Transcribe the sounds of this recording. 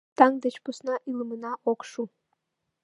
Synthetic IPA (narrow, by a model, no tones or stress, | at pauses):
t̪ɑŋd̪ət͡ɕpusnɑʔiləmənɑʔokʃu